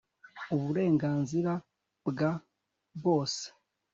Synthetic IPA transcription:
uβuɾe̞ːŋɡaːnziɾa | bɡa | βoːse̥

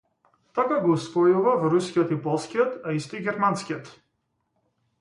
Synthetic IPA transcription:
t̪akaɡɔusvɔjuvavɔɾuskʲiɔt̪ipɔlˠskʲijɔt̪aist̪ɔiɡʲɛɾmanskiɔt̪

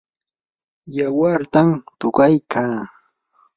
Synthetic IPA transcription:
jawaɾt̪amt̪ʊɢajkʰaː

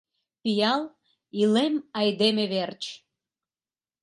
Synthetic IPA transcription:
pijɑl | ilemɑjd̪emeβert͡ɕ

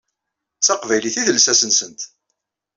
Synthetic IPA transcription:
t͡sæqvæjliθiðəlsæsənsənt̪

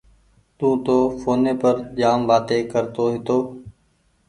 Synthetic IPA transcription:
t̪ũːt̪oːfʰoːneːpəɾd͡ʒaːmʋaːt̪eːkəɾt̪oːɦɪt̪oː

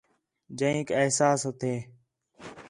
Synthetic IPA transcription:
d͡ʒəĩːkeɦsaːsot̪ʰeː

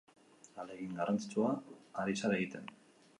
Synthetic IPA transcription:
aleɣiŋɡarant͡si̥t͡suaːɾisaɾaeɣit̪e̞n

